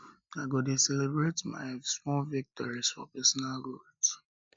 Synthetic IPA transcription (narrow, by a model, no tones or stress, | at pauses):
naɡodesɛlebɹetma̰ɪsmɔlvik̚tʰɔɹisfɔ̰pɛsɔnalɡods